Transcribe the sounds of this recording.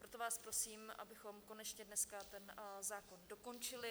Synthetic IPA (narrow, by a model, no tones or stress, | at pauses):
pɾo̞t̪o̞vaːspɾo̞siːmʔa̰bɪxo̞mko̞nɛt͡ʃɲɛdnɛskat̪ɛnzaːko̞ndo̞ko̞nt͡ʃɪlɪ